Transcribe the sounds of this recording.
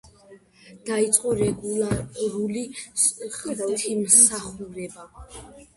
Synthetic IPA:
d̪̥ait̪sʼqʼɔɾɛɡulaɾuli | χvɛlˠt̪ʰimsaχuɾɛba

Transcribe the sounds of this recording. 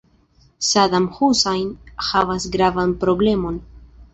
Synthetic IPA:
sadamhusajnhavasɡɾavanpɾo̞ble̞mo̞n

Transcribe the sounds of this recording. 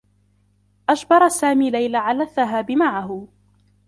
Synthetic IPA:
ʔad͡ʒbɑɾˤɑsaːmiːlajlaʕalaːðːaɦaːbɪmaʕaɦʊ

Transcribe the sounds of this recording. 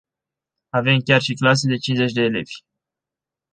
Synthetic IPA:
ave̞mkʲarʃiklas̬ed̪e̞t͡ʃinze̞t͡ʃʲd̪e̞ːle̞̰v̥ʲ

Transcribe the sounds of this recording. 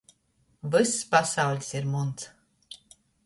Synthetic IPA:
vɨsːpasawlʲsiɾmuns

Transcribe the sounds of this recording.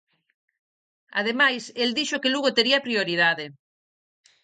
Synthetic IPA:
a̰ð̞emajseld̪iʃokeluɣot̪eɾiɐpɾioɾið̞aðe

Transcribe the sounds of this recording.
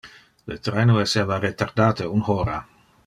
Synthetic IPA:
lət̪ɾeːnoɛseːvaret̪ard̪aːt̪ʰeunhoːɾa

